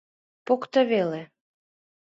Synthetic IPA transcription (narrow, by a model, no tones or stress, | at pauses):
pokt̪ə̆βele